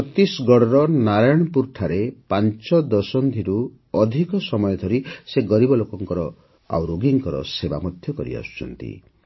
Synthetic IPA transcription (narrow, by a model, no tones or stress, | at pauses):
ɔt̪isɡɔɽɔɾɔnaɾajɽ̃ɔpuɾʈʰaɾepant͡ʃɔd̪ɔsɔnd̪ʱiɾu | ɔd̪ʱikɔsɔmɔjɔd̪ʱɔɾiseɡɔɾibɔlokɔŋkɔɾɔ | a̰wɾoɡiŋkɔɾɔ̰seba̰mɔd̪ʱjɔkɔɾḭa̰su̥t͡ʃʰɔ̰nt̪ḭ